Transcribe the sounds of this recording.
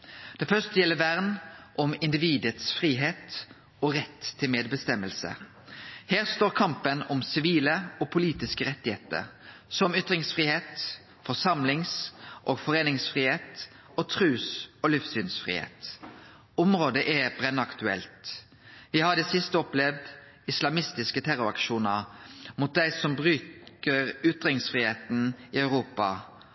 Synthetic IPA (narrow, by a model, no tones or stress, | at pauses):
d̪̥ɛfœst̪əjɛlːəʋæʁnʔɔmɪnd̪ɪʋiːd̪ət̪sfʁiːɦeːt̪ | ɔʁɛt̪ʰːɪlmeːd̪bəst̪ɛmːəlsə̰ | hæːʁst̪oːʁkʰɑmpənɔmsɪʋiːləɔːpʰʊliːt̪ɪskəʁɛt̪ːɪheːt̪ə̰ɾsɔmʏt̪ʁɪŋsfʁiːheːt̪ | fɔsɑmlɪŋsʔoːɡfɔʁeːnɪŋsfʁiːheːt̪ | oːt̪ʰʁʉːsoːlɪfsyːnsfʁḭːhḛːt̪ | ʊmʁoːd̪əʔɛbʁɛnːəɑkt̪ʉɛ̰lt̪ | ʋɪhɑd̪ɛsɪst̪əɔplɛʋd̪ | ɪslɑmɪst̪ɪskət̪ʰæɾʊɾɑ̰kʃuːnəɾmʊt̪̚d̪æɪsɔmbʁʉːkəɾʏt̪ʁɪŋsfʁiːheːt̪n̩ɪœʉʁuːpɑ̰